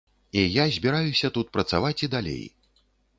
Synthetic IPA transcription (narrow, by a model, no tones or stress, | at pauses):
ijazʲbʲiɾajusʲɐt̪ut̪̚pɾɐt̪savat͡sʲid̪alʲḛj